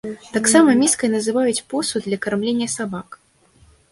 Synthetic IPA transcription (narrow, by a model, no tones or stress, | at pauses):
t̪aksamɐmʲiskɐjnɐzɨvajut͡sʲpɔsud̪lʲɐkarmlʲenʲːɐsabak